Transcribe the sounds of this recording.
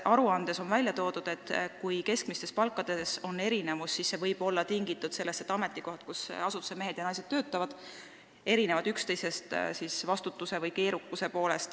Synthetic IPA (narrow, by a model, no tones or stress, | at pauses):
ʔɑɾuɑnd̪̥e̞so̞nvælʲjɑt̪o̞ːd̪̥ud̪̥e̞t̪ːˑkujke̞skmist̪e̞spɑlkːˑɑd̪̥e̞so̞ne̞ɾine̞vusːisːe̞vɤjb̥o̞lːɑt̪iŋɡit̪ːˑud̪̥se̞lːest̪et̪ːˑɑme̞t̪ːˑikohɑt̪kusɑsut̪ːˑu̥semeɦe̞d̪̥jɑnɑjsed̪̥ːøːt̪ˑːɑvɑd̪̥ | e̞ɾine̞vɑd̪ykst̪e̞jse̞st̪sisvɑst̪ut̪ːuse̞vɤjke̞ːɾukːuse̞po̞ːle̞st̪